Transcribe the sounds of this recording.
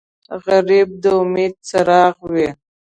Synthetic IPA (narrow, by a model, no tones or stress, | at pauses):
ɣaɾib̚d̪əʊmed̪̚t͡saɾɑɣwe